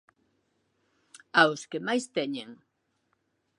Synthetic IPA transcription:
aʊskemajst̪eɲeŋ

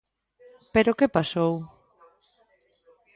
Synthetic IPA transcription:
peɾokepasow

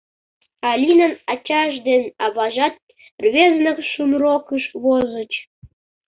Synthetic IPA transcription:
ɑlʲinə̆nɑt͡ɕɑʒd̪enʲɑβɑʒɑt̪̚ | rʲβʲeznə̆kʃunrokɯʃβozə̆t͡ɕ

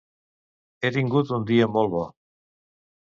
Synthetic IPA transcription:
eɾiŋɡut̪und̪iembolβo

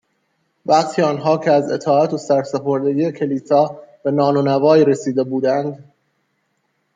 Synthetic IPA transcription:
væqt̪ʰiːɒːnɦɒːcʰeæze̞̰t̪ʰɒːæt̪ʰo̞sæɾfsepʰo̞ɾd̪e̞ɡiːjecʰe̞liːsɒːb̥e̞nɒːnonævɒːɾesiːd̪e̞buːd̪ænd̪

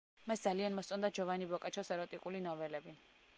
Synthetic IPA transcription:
masd̪zalianmɔssʼɔnd̪ad͡ʒɔvanibɔkʼat͡ʃʰɔsɛɾɔt̪ʼikʼulinɔvɛlɛbi

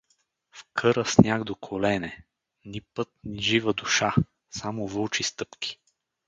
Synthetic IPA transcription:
fkʰɤɾəsnʲaɡd̪okʰolɛnɛ | nipɤt̪̚niʒivəd̪ʊʃa | samovɤlˠt͡ʃist̪ɤpkʲi̥

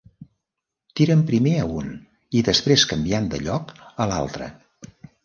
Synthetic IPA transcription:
t̪iɾəmpɾimeəun | iðəspɾeskəmbiand̪əʎɔkəla̰lˠt̪ɾə̰

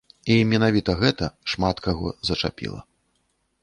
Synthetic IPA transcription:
imʲɛnavʲit̪ɐɣɛt̪ɐʂmat̪kaɣɔ̰zɐt͡ʂa̰pʲḭlˠɐ̰

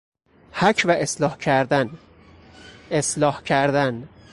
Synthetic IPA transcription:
hækʰvæʔeslɒːhkʰæɾd̪æn | eslɒːhcʰæɾd̪æn

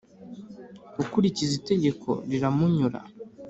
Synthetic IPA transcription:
ukuɾicizite̞ɟe̞kʰo̞̰ɾiɾamuɲuɾa̰

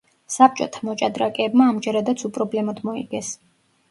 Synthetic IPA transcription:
sap̚t͡ʃʼɔt̪ʰamɔt͡ʃʼad̪ɾakʼɛːbmaːmd͡ʒɛɾad̪at̪sʰupʼɾɔblɛmad̪mɔḭɡɛs

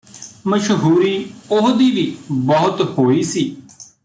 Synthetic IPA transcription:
məʃɦuːɾiːʊɦd̪iːʋiːbɔɦʊt̪hoːiːsiː

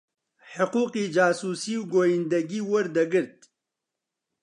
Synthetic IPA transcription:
ħʊquːqid͡ʒaːsuːsiwɡoːjind̪ɐɡiwɐɾd̪ɐɡɨɾt̪̚

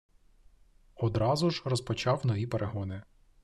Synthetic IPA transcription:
ɔd̪ɾɑzʊʒrɔspɔt͡ʃɑwnɔʋʲipeɾʔeɦɔnɪ

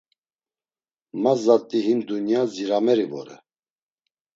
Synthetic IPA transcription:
mazat̪ʼiɦind̪unjaziɾamɛɾivɔ̰ɾɛ̰

